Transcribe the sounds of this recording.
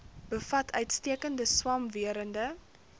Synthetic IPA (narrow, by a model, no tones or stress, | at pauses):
b̥əfɐtʰœɥtstiəkəndəswɑmviəɾəndə